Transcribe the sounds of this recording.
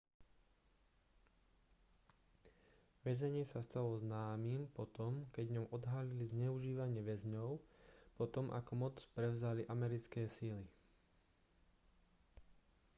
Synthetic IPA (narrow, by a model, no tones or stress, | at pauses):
ʋɛzɛɲɪɛsast̪alɔznaːmiːmpɔt̪ɔmkɛɟɲɔʊʔɔd̪ɦalilizɲɛuʒiːʋaɲɪɛʋɛzɲɔʊpɔt̪ɔmʔa̰kɔmɔt͡spɾɛʊzaliʔamɛɾit͡skɛːsili